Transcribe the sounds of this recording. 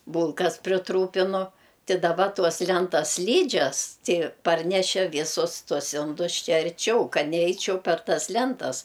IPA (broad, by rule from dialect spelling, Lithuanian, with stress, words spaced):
ˈbuːlˠkɐs pʲrʲɪˈtruːpʲɪnʊ ˈtʲɪ dɐˈbɐ ˈtuɔs ˈlʲɛntɐs ˈsʲlʲiːd͡ʒʲɛs ˈtʲɪ ˈpɐrʲnʲɛʃʲeː ˈʋʲiːsʊs ˈtuɔs ˈɪndʊs ˈt͡ʃʲɛ ɐrʲˈt͡ʃʲɛʊ ˈkɐt nʲɛˈɛɪt͡ʃʲɛʊ pʲɛr ˈtɐs ˈlʲɛntɐs